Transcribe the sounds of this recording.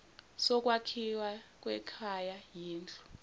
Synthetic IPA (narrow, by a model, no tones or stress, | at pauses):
sɔk̬ʼwakʰiwak̬ʼwɛkʰajajiːnd͡ɮʱʼu̥